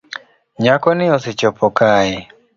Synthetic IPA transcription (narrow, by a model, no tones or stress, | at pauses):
ɲakɔnɪɔsɪt͡ʃɔpʰɔkaɪ